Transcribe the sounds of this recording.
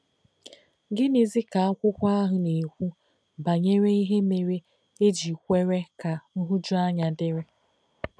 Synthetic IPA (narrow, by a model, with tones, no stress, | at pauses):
ɡɪ˦ni˨zi˦ka˨a˦kʷʊ˦kʷa˦a˦ɦʊ˨ne˨kʷu˦ | ba˨ɲe˦ɾe˦i˦ɦe˦me˨ɾe˦ | e˦d͡ʒi˨kʷe˦ɾe˦ka˨n̩˦ɦʊ˦d͡ʒu˦a˦ɲa˨dɪ˦ɾɪ˦